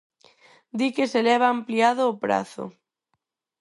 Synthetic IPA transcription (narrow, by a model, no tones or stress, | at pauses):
d̪ikeselɛβ̞aːmpliað̞ʊːpɾa̰θʊ̰